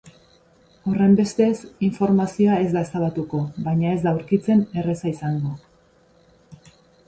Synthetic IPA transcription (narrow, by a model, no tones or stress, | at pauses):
o̞re̞mbe̞st̪e̞siɱfo̞ɾmasioae̞zd̪aesaβat̪uko̞βajɲae̞zd̪awɾkit͡se̞ne̞re̞saisaŋɡo̞